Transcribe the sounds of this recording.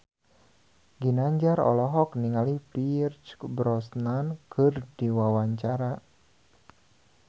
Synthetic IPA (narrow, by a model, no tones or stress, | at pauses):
ɡinaɲd͡ʒaɾɔ̰lɔɦɔk̚niŋalipirt͡ʃbɾɔsnankʰɨrdiwawaɲt͡ʃaɾa